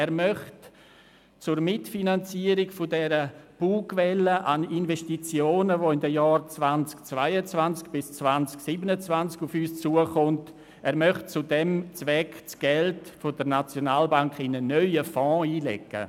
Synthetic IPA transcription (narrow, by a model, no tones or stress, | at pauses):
ɛːɾmœχt | t͡sʊrmɪtfinant͡siəɾɪɡfʊdɛɾəb̥uːkvɛləʔaninvɛʃtit͡sjoːnəvoɪndəjɑːrt͡svant͡skt͡svaɪət͡svant͡skb̥ɪst͡svant͡sksibənət͡svant͡skufyːst͡suəχʊnt | ɛːɾmœχtt͡sʊdɛmt͡svɛkt͡sɡ̥ɛltfʊdəɾnat͡sjonaːlbaŋkɪnənœʏəfɔ̃ːiːlɛ̰kːə̰